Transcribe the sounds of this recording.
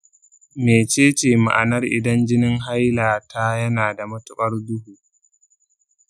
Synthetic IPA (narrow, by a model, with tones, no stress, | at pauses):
meː˨t͡ʃeː˦t͡ʃeː˨ma̰˨ʔa˨nɐ˦rʔɪ̰˨dɐ˦nd͡ʒɪ˦nɪ˦ŋɦa˦jlaː˨ta˦jɐ˦naː˨da˨mɐ˦tʊ˦kʼɐ˦rdʊ˦huː˨